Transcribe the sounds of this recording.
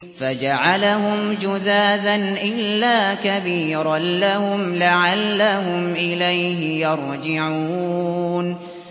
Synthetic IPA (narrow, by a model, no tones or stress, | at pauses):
fad͡ʒaʕalaɦʊmd͡ʒʊðaːd̪anʔɪlːaːkabiːɾˤalahʊmlaʕalːaɦʊmʔɪlajɦɪjɑɾˤd͡ʒɪʕuuːn